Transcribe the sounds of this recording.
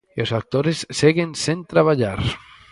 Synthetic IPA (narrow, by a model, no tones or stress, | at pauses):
osak̚t̪oɾesseɣensent̪ɾaβ̞aʎaɾ